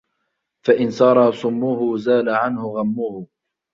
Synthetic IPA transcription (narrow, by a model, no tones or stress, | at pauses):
faʔɪnsɑːɾˤɑsˤʊmːʊhʊzaːlaʕanhʊɣamːʊhʊ